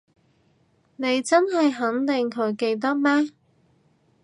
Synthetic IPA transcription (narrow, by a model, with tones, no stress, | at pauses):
ne˨˧jt͡sɐ˥nɦɐ˨jɦɐ˨˥ŋt̪ɪ˨ŋkʰɵ˨˧˥ɥke˧jt̪̬ɐ˥k̚mɛː˥